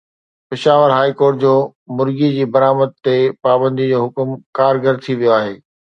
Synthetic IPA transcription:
pɪʃaːʋəɾɦaːikoːɾʈ̚d͡ʑoː | mʊɾɡid͡ʑiːbɐɾaːməd̪̚t̪epaːbə̃nd̪id͡ʑoːɦʊkmkaːɾɡəɾt̪ʰiʋijoaːɦeː

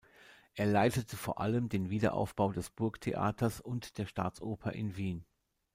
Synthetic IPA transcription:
ʔeːɐlaɪtətʰəfoːɐʔaləmdeːnviːdɐ̰ʔa̰ʊfb̥aʊdɛsb̥ʊɐktʰḛʔa̰ːtʰɐsʊntd̥eːɐʃta̰ːt͡sʔoːpʰɐʔɪ̰nviːn

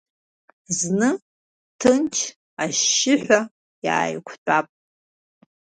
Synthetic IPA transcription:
znɨ | tʰɨnt͡ʃʰ | aʃːɪħʷᶣa | ja̰ːjkʷʰt͡pʷʼapʼ

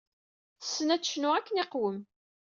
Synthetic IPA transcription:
θə̥sːənæt͡sːʃnʊʁækːənɪqwəm

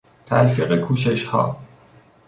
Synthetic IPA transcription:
t̪ʰæ̰lfiɢekʰuːʃeʃhɒ̰ː

